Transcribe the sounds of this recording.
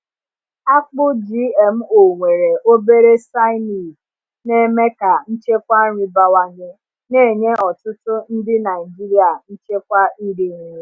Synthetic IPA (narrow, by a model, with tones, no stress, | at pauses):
a˦k͡pʊ˦d͡ʒi˦e˨m̩˦o˨ŋʷe˨ɾe˨o˦be˦ɾe˦sa˦ɪ˦mi˨ | ne˦me˦ka˨n̩˦t͡ʃe˦kʷa˦ɲɪ˦ba˦wa˦ɲe˦ | ne˦˨ɲe˦ɔ˨tʊ˦tʊ˦n̩˦dɪ˦na˨ɪ˨d͡ʒi˦ɾi˦a˨n̩˦t͡ʃe˦kʷa˦i˦ɾi˨ŋ˨˦e˦